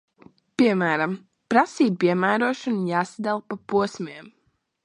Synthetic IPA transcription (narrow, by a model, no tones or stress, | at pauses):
piɛmæːɾam | pɾasiːb̚piɛmæːɾuɔʃɔnjaːsad̪alˠpapuɔsmʲiɛm